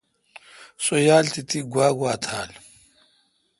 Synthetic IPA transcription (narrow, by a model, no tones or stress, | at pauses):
sojaːlt̪it̪iɡwaːɡwaːt̪ʰaːl